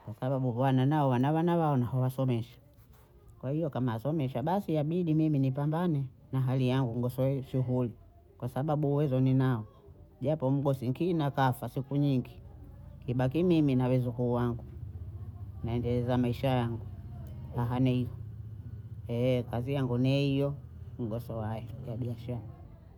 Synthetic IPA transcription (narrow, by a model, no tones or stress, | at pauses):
kwasaɓaɓuɓwananaɔwanawanawaɔnahɔwasɔmɛʃḁ | kwahijɔkamaasɔmɛʃaɓasiaɓiɗimiminipambanɛ | naɦalijaŋɡuŋɡɔsɔɛʃuɦuli | kwasaɓaɓuːwɛzɔninaɔ | ʄapɔm̩ɡɔsiŋkinakafasikuɲiŋɡikiɓakimiminawɛzukuːwaŋɡu | naɛndɛlɛzamaiʃajaŋɡuhaɦanɛijɔ | ɛkazijaŋɡunɛijɔŋ̩ɡɔsɔwajɛjaɓiaʃaɾa